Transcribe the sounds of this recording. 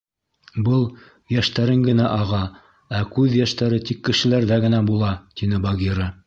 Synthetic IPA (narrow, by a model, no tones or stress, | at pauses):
bɤlˠ | jæʃt̪æɾɘŋɡɘ̆næʔɑʁɑ | ækʉðjæʃt̪æɾɘt̪ikːɘ̆ʃɘ̆læɾðæɡɘ̆næbulˠɑt̪inɘbɑɡʲiɾɤ